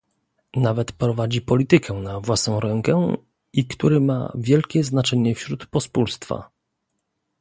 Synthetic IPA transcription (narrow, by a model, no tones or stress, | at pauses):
navɛt̪pɾɔvad͡ʑipɔlʲit̪ɘkʰɛnavwasnɔ̃w̃ɾɛŋkɛ | ikt̪uɾɘma̰vʲjɛlkʲɛznat͡ʂɛɲɛfɕɾut̪pɔspulst̪fa̰